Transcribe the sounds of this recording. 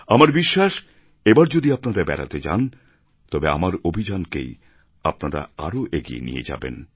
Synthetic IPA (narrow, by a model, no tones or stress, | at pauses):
amaɾbiʃːaʃ | ebaɾd͡ʑod̪iapnaɾabɛ̰ɾa̰t̪ed͡ʑa̰n | t̪ɔbea̰maɾobʱid͡ʑankḛj | apnaɾa̰aɾoʔeɡiḛnḭjḛd͡ʑa̰bḛn